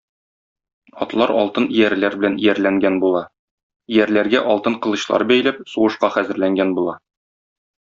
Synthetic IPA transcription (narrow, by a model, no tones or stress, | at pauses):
ɒ̰t̪lˠɑɾɒ̰lˠt̪ɤnijæɾlæɾbɘ̆lænijæɾlæŋɡænbulˠɑ | ijæɾlæɾɡæʔɒlˠt̪ɤɴqɤ̆lˠɤ̆ɕlˠɑ̰ɾbæjlæp̚suʁɤ̆ʃqɑχæzɘ̆ɾlæŋɡænbulˠɑ